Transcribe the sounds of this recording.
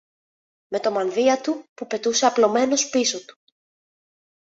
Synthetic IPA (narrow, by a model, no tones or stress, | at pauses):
me̞t̪o̞mɐnðiɐt̪upupe̞t̪use̞ɐplo̞me̞no̞spiso̞t̪u̥